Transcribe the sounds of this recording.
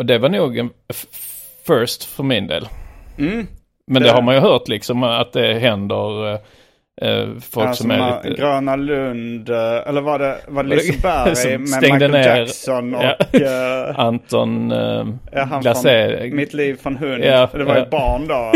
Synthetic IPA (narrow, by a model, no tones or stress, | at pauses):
ɔd̪ɛvaɳuːɡɛn | fœɾʂt̪fœɾmɪnd̪ḛːl | mɛnd̪ɛhaɾmanjɵɦœːʈ̪lɪksɔmat̪̚d̪ɛɦɛnd̪əɾ | fɔlksɔmæɾlḭt̪əɡɾøːnalɵnd̪ɛlːəɾvaɖɛvaɛlɪbæɔɛŋd̪əneːɾsɔnja | ant̪ɔn | laseːmɪt̪liːvfɾɔnɦɵnjad̪ɛaaɛbɑːɳd̪o